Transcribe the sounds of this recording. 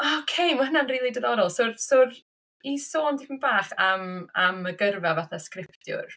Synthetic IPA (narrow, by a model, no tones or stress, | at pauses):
okʰejməhənanriːlˠidəðɔɾɔlˠsʊrsʊr | isoːndipʰənbaːχamaməɡərvavaθaskrɪpʰttjʊ̰r